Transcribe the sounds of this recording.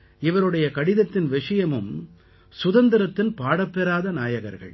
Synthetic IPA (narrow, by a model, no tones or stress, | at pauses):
ɪʋɐɾɯɽɐjɐkɐɽɪðɐt̪ːɪnʋɪʂɐjɐmɯm | sʊðɐnd̪ɪɾɐt̪ːɪnpaːɽɐpːɛɾaːðɐnaːjɐɣɐ̰ɾɣɐ̰ɭ